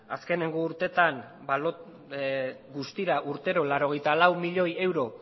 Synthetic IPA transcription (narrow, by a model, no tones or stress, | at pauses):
aske̞ne̞ŋɡoːɾt̪e̞t̪an | balo | ɡust̪iɾaʔuɾt̪e̞ɾo̞laɾo̞ɣ̞e̞jt̪alawmiʎo̞je̞wɾo̞